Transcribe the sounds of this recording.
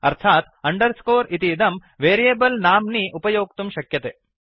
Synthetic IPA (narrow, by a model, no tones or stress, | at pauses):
ɐɾt̪ʰaːt̪ɐɳɖɐɾskoːɾit̪id̪ɐm | ʋeːɾijeːbɐlnaːmniʔupɐjoːk̚t̪umʃɐkjɐt̪eː